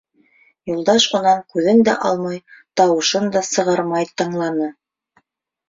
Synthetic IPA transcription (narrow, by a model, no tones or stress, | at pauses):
julˠd̪ɑʃŏnɑŋkʉðɘnd̪æ̰ʔɑlˠmɑjt̪ɑwɤ̆ʃɤnd̪ɑsɤ̆ʁɑɾmɑjt̪ɤ̆ɴlˠɑnɤ